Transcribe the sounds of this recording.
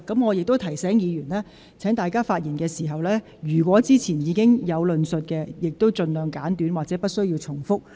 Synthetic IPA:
kɐ˨˥mŋɔː˨˧jɪ˨k̚t̪o˥wt̪ʰɐ˨˩jsɛː˨˥ŋjiː˨˧jyː˨˩nlɛː˥ | t͡sʰɛː˨˥ŋt̪aː˨jkaː˥faː˧t̚jiː˨˩nkɛː˧siː˨˩ɦɐ˨wlɛː˥ | jyː˨˩kʷwɔː˨˥t͡siː˥t͡sʰiː˨˩njiː˨˧kɪ˥ŋjɐ˨˧wlɵ˧nsɵ˨t̚kɛː˧jɪ˨k̚t̪o˥wt͡sɵ˧nlœː˨ŋkaː˨˥nt̪yː˨˥nwaː˨t̚t͡sɛ˨˥pɐ˥t̚sɵ˥ɥjiː˧wt͡sʰʊ˨˩ŋfʊ˥k̚

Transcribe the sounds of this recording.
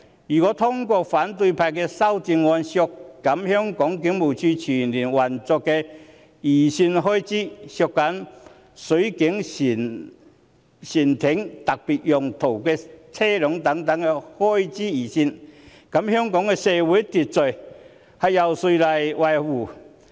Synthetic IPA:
jyː˨˩kɔ˨˥t̪ʰʊ˥ŋkɔː˧faː˨˥nt̪u˧pʰaː˧jkɛː˧sɐ˥wt͡si˧nŋɔː˧nsjɔ˧kːɐ˨˥mhœː˥ŋkɔː˨˥ŋkɪ˨˥ŋmu˨˩wt͡sʰyː˧t͡ɕʰyː˨˩nli˨˩nwɐ˨˩nt͡sɔ˧kːɛː˧ | iː˨˩siː˧nɦɔː˥˩jt͡siː˥sjɔ˧kːa˨˥n | sɵ˨˥kɪ˨˥ŋsi˨˩n | si˨˩nt̪ʰɪ˨˥ŋt̪ɐ˨k̚pi˨t̚jɔ˨ŋt̪ʰo˨˩wkɛː˧t͡sʰɛː˥lɔ˨˥ŋt̪ɐ˨˥ŋt̪ɐ˨˥ŋɛ˧hɔ˥jt͡siː˥iː˨˩si˧n | kɐ˨˦˥mhœː˥ŋkɔ˨˥ŋkɛ˧sɛː˧wuː˨˥jt̪i˨˩t̚t͡so˨˩ɥ | hɐ˨jja˨wsu˧jla˨˧jwa˨˩jhuː˨˩

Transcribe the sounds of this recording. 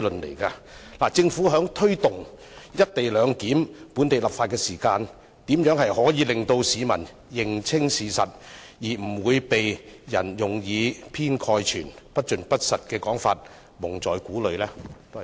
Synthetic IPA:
lɵ˨nlḛ˨˩jkaː˧laː˨˩t͡sɪ˧ŋfuː˨˥ɦœː˨˥ŋt̪ʰɵ˥ɥt̪ʊ˨˩ŋ | jɐ˥t̚t̪e˨˩jlœː˨˧ŋkiː˨˥mpuː˨˥nt̪e˨jlɐ˨˩p̚faː˧t̚kɛː˧siː˨˩kaː˧n | t̪iː˨˥mjœː˨˥ŋɦɐ˨jhɔː˨˥jiː˨˧lɪ˨ŋt̪o˧wsiː˨˧mɐ˨˩n | jɪ˨ŋt͡sʰɪ˥ŋsiː˨˧sɐ˨t̚jiː˨˩m̩˨˩wuː˨˧jpe˨jjɐ̰˨˩njʊ˨ŋjiː˨˧pʰiː˥nkʰɔː˧jt͡ʃʰyː˨˩npɐ˥t̚t͡ʃɵ˨npɐ˥t̚sɐ˨t̚kɛː˧kɔː˨˥ŋfa̰ː˧t̚ | mʊ˨˩ŋt͡sɔː˨jkuː˨˥lɵ˨˧ɥlɛː˥t̪o˥˨

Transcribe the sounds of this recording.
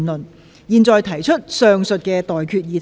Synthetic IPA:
nlɵ˨n | jiː˨˧nt͡sɔː˨jt̪ʰɐ˨˩jt͡ʃʰɵ˥t̚sœː˨˧ŋsɵ˨t̚kɛː˧t̪ɔː˨jkʰyː˧t̚jiː˨˧t̪

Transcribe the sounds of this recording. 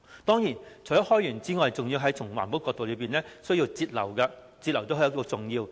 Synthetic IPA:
t̪ɔː˥ŋjiː˨˩nt͡ʃʰɵ˨˩jɐ˥t̚hɔː˥jyː˨˩nt͡siː˥ŋɔː˨jt͡sʊ˨ŋji˧wɦɐ˨˥jt̪ʰʊ˨˩ŋwa̰ː˨˩npo˥wkːɔː˧kt̪o˨wlɵ˨˧ɥpiː˨˩nlɛː˥sɵ˥ɥji˧wt͡siː˧t̚lɐ̰˨˩wkɐ˧ | t͡siː˧t̚lɐ˨˩wt̪o˥hjɐ˥t̚ko˧t͡sʊ˨ŋjiː˧w

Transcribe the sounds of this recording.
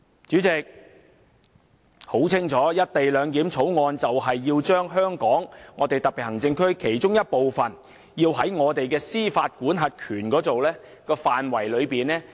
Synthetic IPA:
t͡ʃyː˨˥t͡sɪ˨k̚ | ho˨˥wt͡sʰɪ˥ŋt͡ʃʰɔː˨˥jɐ˥t̚t̪e˨jlœː˨˧ŋk̪iː˨˥mt͡sʰo˨˥wŋɔː˧nt͡sɐ˨wɦɐ˨jːiː˧wt͡ʃœː˥ŋɦœː˥ŋkɔː˨˥ŋːɔː˨˧t̪e˨jt̪ɐ˨k̚pi˨t̚hɐ˨˩ŋt͡sɪ˧ŋkʰɵ˥ɥkʰe˨˩jt͡ʃʊ˥ŋjɐ˥t̚po˨wfɐ˨n | jiː˧wɦɐ˨˥jŋɔː˨˧t̪e˨jkɛː˧siː˥faː˧t̚kuː˨˥nɦɐ˨t̚kʰyː˨˩nkɔː˨˥t͡so˨wlɛː˥ | kɔː˧faː˨nwɐ˨˩jlɵ˨˧ɥpiː˨nɛː˥

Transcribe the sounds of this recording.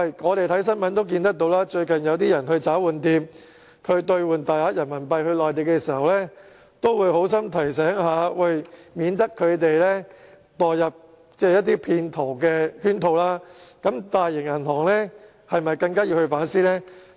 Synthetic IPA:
ɐ˧˨jŋɔː˨˧t̪e˨jt̪ʰɐ˨˥js̬ɐ˥nmɐ˨˥nt̪o˥wk̬iː˧nt̪ɐ˥k̚t̪o˨˧wlaː˥t͡ʃɵ˧ɥkɐ˨njɐ˨˧wt̪iː˥jɐ˨˩nhɵ˧ɥt͡saː˨˥wuː˨˩nt̪iː˧m | kʰɵ˨˧ɥt̪ɵ˧ɥwuː˨nt̪aː˨jhaː˨˥t̚jɐ˨˩nmɐ˨˩npɐ˧jhɵ˧ɥlɔː˨˩jt̪e˨jkɛ˧siː˨˩hɐ˨wlɛː˥ | t̪o˥wwuː˨˧jho˨˥ws̬ɐ˥mt̪ʰɐ˨˩js̬ɛː˨˥ŋhaː˨˧wɐ˨˧jmiː˨˧nt̪ɐ˥kʰːɵ˨˧ɥt̪e˨jlɛː˥ | t̪ɔː˨˩jjɐ˨p̚ | t͡sɛː˥jɐ˥t̚t̪ːiː˥pʰiː˧nt̪ʰo˨˩wkɛː˧hyː˥nt̪ʰo˧wlaː˥kɐ˨˥mt̪aː˨jjɪ˨˩ŋjɐ˨˩nhɔː˨˩ŋlɛː˥ | hɐ˨jmɐ˨jkɐ˧ŋkaː˥jiː˧whɵ˧ɥfaː˨˥nsiː˥lɛː˥

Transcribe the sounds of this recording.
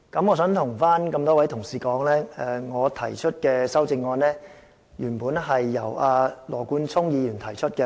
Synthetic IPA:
kɐ˨˥mŋɔː˨˧sœː˨˥ŋt̪ʰʊ˨˩ŋfaː˥nkɐ˧mt̪ɔː˥wɐ˨˥jt̪ʰʊ˨˩ŋsiː˨˩kɔː˨˥ŋlɛː˥ɛː˧ŋɔː˨˧t̪ʰɐ˨˩jt͡ʃʰɵ˥t̚kɛː˧sɐ˥wt͡sɪ˧ŋːɔː˧nlɛː˥ | jyː˨˩npuː˨˥nɦɐ˨jːɐ˨˩waː˧lɔː˨˩kuː˧nt͡sʰʊ˥ŋjiː˨˧jyː˨˩nt̪ʰɐ˨˩jt͡ʃʰɵ˥t̚kɛ˧

